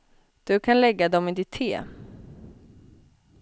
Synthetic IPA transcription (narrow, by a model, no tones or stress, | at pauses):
d̪̥ɵkʰanlɛɡːad̪ɔmɪd̪ɪt̪ʰːḛː